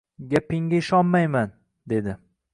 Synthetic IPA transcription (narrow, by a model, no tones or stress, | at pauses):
ɡʲapɪŋɡʲaɪʃɒnmajman | d̪e̞d̪ɪ